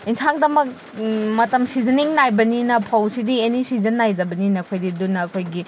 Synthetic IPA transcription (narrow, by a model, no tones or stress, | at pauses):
insaŋdɐmɐk̚ | mɐtɐmsizɐniŋnajbɐninɐpʰawsidienisizɐnːajdɐbɐninɐːkʰojdidunːɐːkʰojɡi